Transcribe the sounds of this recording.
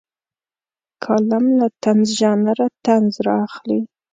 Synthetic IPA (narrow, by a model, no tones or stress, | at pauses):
kʰɑlamlat̪anzʒɑnaɾat̪anzɾɑaxli